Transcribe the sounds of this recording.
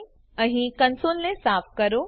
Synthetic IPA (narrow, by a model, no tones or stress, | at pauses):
ɐɦĩkɐnsoːlnẽsaːfkɐɾoː